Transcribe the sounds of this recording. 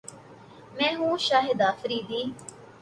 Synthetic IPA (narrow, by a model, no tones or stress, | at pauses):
mɛ̃ːɦũːʃaːɦɪd̪aːfɾiːd̪iː